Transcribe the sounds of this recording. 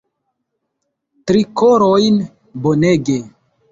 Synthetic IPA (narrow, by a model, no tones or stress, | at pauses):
tɾikoɾojn | boneɡe